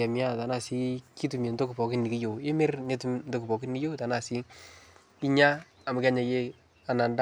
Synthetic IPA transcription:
a˨mɪ˦a˦˨ta˨na˦˨si˦ki˦tu˨me˨ndo˦ku˨pɔ˨kɪ˦nːi˨ki˦jo˨e˦me˦rne˦tu˦mndo˦ku˨pɔ˨kɪ˦nːi˦jo˦ta˨na˨si˦ | i˦ɲa˦ | a˨ma˨kɛa˦ɲa˨je˦ | a˨na˨nda˦

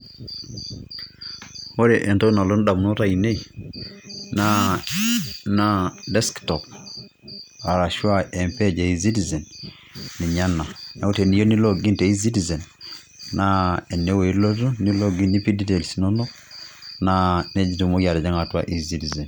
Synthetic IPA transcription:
o˦ɾɛʔɛ˨ntɔ˦na˨lo˦n˦da˨mu˨no˦ɾa˦˨i˨ne˦i | na˦ | na˦dɛ˦sktɔp | a˨ɾa˨ʃwa˦ʔɛ˨mpɛ˦d͡ʒa˨i˨zi˦ti˨zɛ˨n | ni˨ɲa˦na˨na˨o˦tɛ˨ni˨˦jo˦ni˦lɔ˦ɡi˦ntɛ˨i˦z̬i˦ti˨zɛ˨n | na˦ɛ˨nɛ˦we˨˦lo˦tu˦ni˦lɔ˦ɡi˦ni˦pi˦di˦tɛ˨lsi˨nɔ˦nɔ˦ | nanɛ˦d͡ʒi˦tu˨mo˦kja˨ɾɛ˨d͡ʒa˦ŋa˨twa̰˦ʔi˦zi˦ti˨zɛ˨n

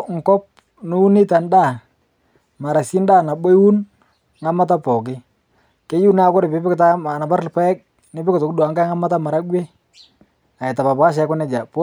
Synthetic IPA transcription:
ŋ̩˨kɔ˦p̚ | nu˦u˦nɪ˦ta˨nda˦˨ | ma˨ɾa˨si˦nda˦˨na˨ɓo˦wu˦n | ŋa˦ma˦t̬a˦pɔ˨k̬ɪ˦ | ke˦ju˦na˦˨˦kʊ˦ɾɪ˨pɪ˦bɪ˦kɪta˦a˨na˨pa˦ɾlpa˦ɛ˦k̚ | nɪ˦bɪ˦kɪ˨tɔ˨kdwa˨ŋɡa˦ŋa˦ma˦ta˦ma˨ɾa˦ɡwe˦ | a˨ɛ˨ta˨pa˨pka˦ʃɛ˨˦kʊ˦nɛ˨˦d͡ʒa˨po˦

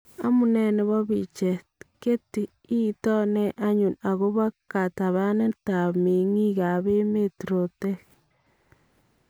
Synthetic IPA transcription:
a˦mu˨ne˦ne˨βo˦βi˨t͡ʃe˨ | ke˦ti˨ | i˦tɔ˦ne˦ʔa˦ɲu˨na˨ɣo˦βa˦ka˨ta˨βa˦ne˦ta˨me˨ŋi˦ɣa˨βe˦me˦ti˨ɾo˨te˦

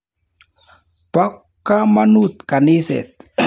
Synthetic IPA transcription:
pɔ˦kːa˦ma˦nu˦˨t̪̚ka˨nɪ˦sɛ̰˨t̪̚

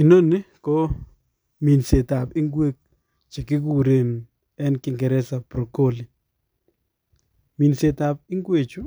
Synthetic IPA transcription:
i˨no˦nɪ˦kɔ˦ | mi˨nse˨ta˨pɪ˦ŋɡwe˦k̚ | t͡ʃe˨kɪ˦ku˨ɾe˨n | ɛ˦nkɪ˨ŋɡɛ˨ɾɛ˦sa˨pɾo˨ko˦li˨ | mi˨nse˨ta˨p̚ɪ˦ŋɡwe˨t͡ʃu˦

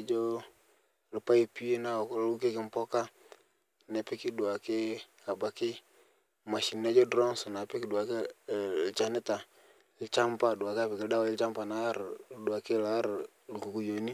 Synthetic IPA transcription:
d͡ʒɔ˦ | lɪ˨pa˦i˦pi˦e˦na˦˨klu˦ke˦kɪ˨m˨pɔ˦ka˦˨ | nɛ˨pɪ˦kɪ˦du˨a˨kɪ˦ | a˨ba˨˦kɪ˦ | ma˨ʃi˨na˦d͡ʒɔ˦dɾɔ˦ŋsɔ˨na˨pe˦ki˨du˨a˨ke˦lt͡ʃa˦nɪ˦ta˨ | lɪ˨t͡ʃa˦mpa˦du˨a˨ka˦pɛ˨kɪ˨lda˦wa˨˦lt͡ʃa˦mpa˨na˦ɾdu˨a˨ke˦la˦ɾ | lu˨ku˨ku˦jo˨ni˦

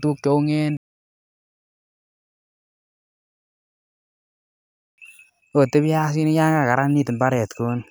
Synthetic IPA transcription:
tu˦k̚t͡ʃo˦u˦ŋe˦n | o˨te˦bja˦s̬i˦ni˦ja˦ŋɡa˨ka˨ɾa˦nni˦tɪ˨mba˦ɾɛ˨tku˦n

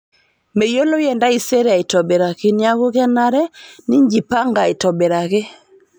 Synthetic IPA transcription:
me˨jo˦lɔ˦jɛ˨nda˦i˨sɛ˦ɾɛ˦a˨i˨tɔ˨bɛ˨ɾa˨ke˨ni˦a˦ɣo˦ɣa˦na˨ɾɛ˦ni˦ɲd͡ʒi˨pa˦ŋɡa˨e˨tɔ˨bɛ˨ɾa˨ɣe˦

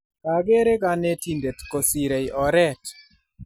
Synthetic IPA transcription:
ka˨ɡe˦ɾe˦ka˨˦ne˦ti˨nde˨tko˨si˨ɾe˨jʔɔ˨ɾɛ˦t

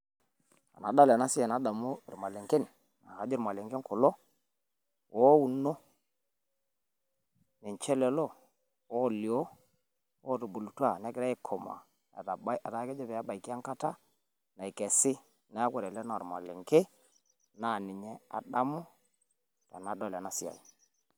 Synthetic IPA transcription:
a̰˨na˨da˦lɛ˨na˦sɪ˦jɛ˨na˨da˨mu˦i˨ɾma˨lɪ˨ŋkɪ˦n | na̰˨ka˨d͡ʒɪ˦ɾma˨lɪ˨ŋkɪ˦ŋkʊ˨lo˦ | wɔ˦u˨no˦ | nɪ˨nt͡ʃɛ˦lɛ˨lo˦˨ | wɔ˦˨li˨o˦ | wo˦ɾu˨bu˨lu˨twa˦˨nɛ˦kɪ˦ɾa˦ɪ˦kʰɔ˨ma̰˨ | a˨ba˨ta˨˦kɛ˦d͡ʒɛ˦pɛ˨a˦ba˨jki˦a˦ŋka˦ta˦ | na˨i˨kɛ˨sɪ˦ | na˦kɛ˨ɾɛ˨lɛ˦na̰˨ɾma̰˨lɪ̰˨ŋke˦ | na˨nɪ˨ɲɛ˦a̰˨da˦mʊ˦ | ta̰˨na˨˦dɔ˦˨lɛ˨na˨˦sɪ˦a̰˨

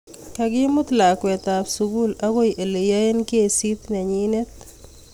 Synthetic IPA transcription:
ka˨ɡɪ˦mʊ˦t̪la˨kwɛ˨t̪a˨psu˨ɡu˦la˦ɡo˦jʔe˨le˨ja˦e˦nke˦˨si˦t̪nɛ˨ɲi˦ne˦t̪̚

